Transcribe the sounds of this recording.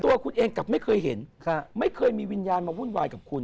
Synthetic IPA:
t̪u˧ɐkʰu˧nʔeː˧ŋka˨˩p̚ma˥˩jkʰɤː˧jɦe˩˦nkʰa˧ma˥˩jkʰɤː˧jmiː˧wi˧njaː˧nmaː˧wuː˥˩nwaː˧jkaː˨˩p̚kʰu˧n

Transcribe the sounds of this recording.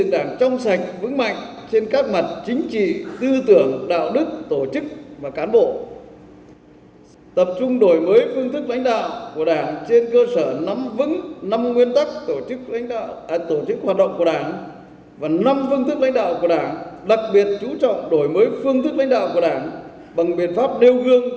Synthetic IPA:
ɨ̰˧˨əŋɗaː˧˩ŋt͡ɕɔ˧wŋ͡msa˨˩jŋ̟̚vɨ̰˧˥ŋma̰˧˨jŋ̟t͡ɕe˧nkaː˦˥k̚ma˨˩t̚t͡ɕï˨˦ŋ̟t͡ɕḭ˧˨t̪ɨ˧t̪ɨ˧˩əŋɗa̰ː˧˨wɗɨ˦˥k̚t̪o˧˩t͡ɕɨ˦˥k̚vaː˨˩kaː˨˦nɓo̰˧˨ | t̪ə˨˩p̚t͡ɕʊ˧ŋ͡mɗo˨˩jməː˨˦jfɨ˧əŋt̪ʰɨ˦˥k̚la̰˧˦jŋ̟ɗa̰ː˧˨wku˧˩əɗaː˧˩ŋt͡ɕe˧nkəː˧səː˧˩na˨˦mvɨ̰˧˥ŋna˧mŋwi˧ənt̪a˦˥k̚t̪o˧˩˦k̚ːt̪o˧˩t͡ɕɨ˦˥k̚ɦwaː˨˩t̚ɗə̰˧˨ŋ͡mku˧˩əɗaː˧˩n | vaː˨˩na˧mfɨ˧əŋt̪ʰɨ˦˥k̚la˧˥˦ŋ̟ɗa̰ː˧˨wku˧˩ə˩ɗaː˧˩ŋɗa˨˩k̚ɓi˨˩ət̚t͡ɕu˨˦t͡ɕɔ̰˧˨wŋ͡mɗo˧˩jməː˨˦jfɨ˧əŋt̪ʰɨ˦˥k̚la̰˧˥˦ŋ̟ɗa̰ː˧˨wku˧˩əɗaː˧˩n | ɓa˨˩ŋɓḭ˧˨ənfaː˦˥p̚ɗi˧wɣɨ˧əŋ

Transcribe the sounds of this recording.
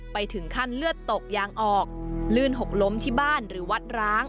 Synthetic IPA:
pa˧jt̪ʰɯ˩˦ŋkʰa˥˩nlɯ˥˩ət̪ːo˨˩k̚jaː˧ŋʔɔː˨˩k̚lɯː˥˩nɦo˨˩k̚lo˦˥mt̪ʰiː˥˩baː˥˩nɾɯː˩˦wa˦˥t̪̚ɾaː˦˥ŋ

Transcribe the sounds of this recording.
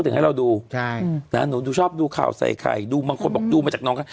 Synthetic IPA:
t̪ʰha˥˩ɾa˧wduː˧t͡ɕʰa˥˩na̰˦˥nuː˨˦duː˧˦t͡ɕʰɔː˥˩p̚duː˧kʰa̰ː˨˩wsa̰˧˩jkʰa̰˨˩jduː˧baː˧ŋkʰo˧nbɔː˨˩k̚duː˧maː˧t͡ɕaː˨˩nɔː˦ŋkʰa˥˩

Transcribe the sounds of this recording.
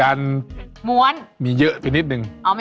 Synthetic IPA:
a˧nmu˧˩ənmi˨˦jəː˧˨ʔt̪ʰi˨˧ni˦˥t̚nɨ˨ŋʔa˧˩m˧

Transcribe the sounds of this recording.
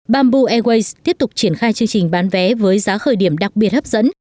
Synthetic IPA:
ɓaː˧mɓu˧ʔɛ˧ɣwe˧jst̪ːi˦˥əp̚t̪ʊ˨˩k͡p̚t͡ɕi˧˩ənxaː˧jt͡ɕɨ˧əŋt͡ɕï˨˩ŋ̟ɓaː˨˦nvɛ˨˦vəː˨˦jzaː˨˦xəː˨˩jɗi˧˩əmɗa˨˩k̚ɓi˨˩ət̚hə˦˥p̚z̥ə̰˧˥n

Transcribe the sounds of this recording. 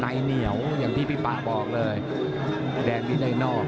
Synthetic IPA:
na˧jni˨˦əwjaː˨˩ŋt̪ʰiː˥˩pʰi˥˩paː˨˩bɔː˨˩k̚lɤː˧j | dɛː˧ŋliː˥˩daː˥˩jnɔː˥˩k̚

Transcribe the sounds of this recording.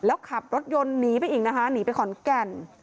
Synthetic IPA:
lɛː˦˥wkʰa˨˩p̚ɾo˦˥t̪̚jo˧nːiː˩˦pa˧jʔiː˨˩k̚na˦˥kʰa˦˥niː˩˦pa˧jkʰɔ˨˩˦nkɛ˨˩n

